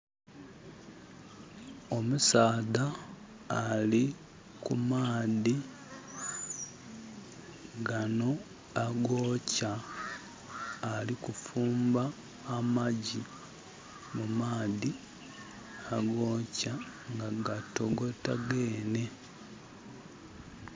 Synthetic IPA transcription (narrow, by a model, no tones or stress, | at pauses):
o̞musaːðaː | li | kumaːði | ɡano̞ | aɡo̞ːca | likufuːmbaː | maɟi | mumaːði | aɡo̞ca | ŋɡaɡato̞ɡo̞taɡe̞ːne̞